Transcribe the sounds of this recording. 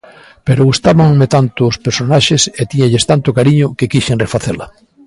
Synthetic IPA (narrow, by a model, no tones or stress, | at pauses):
peɾoɣust̪aβaŋmet̪ant̪ʊːspeɾsonaʃeset̪iɲaʎest̪ant̪ʊkaɾiɲʊkekiʃeŋrefaθela